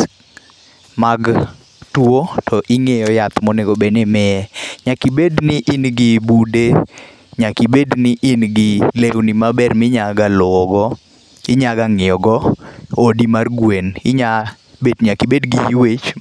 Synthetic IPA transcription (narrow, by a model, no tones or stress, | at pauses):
maɡ | twotʰɔʔɪŋejɔjat̪mɔneɡobenemɪɛɲakibednɪʔɪnɡɪbude | ɲakibednɪʔinɡɪlewnimabɛrmɪɲaɡalʊɔɡɔ | ɪɲaɡaŋɪɔɡɔodimarɡwenɪɲa | bedɲakibedɡiwet͡ʃ